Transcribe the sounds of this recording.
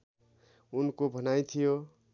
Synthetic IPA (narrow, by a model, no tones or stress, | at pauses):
unkobʱʌnajt̪ʰijo